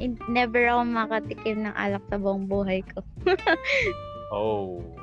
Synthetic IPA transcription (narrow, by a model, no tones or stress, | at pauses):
ʔɪnnɛːbɛɹɐkomɐkɐt̪ɪkɪbnɐŋʔa̰ːlɐk̚sɐboŋbuːɦɐjkʰo | ʔo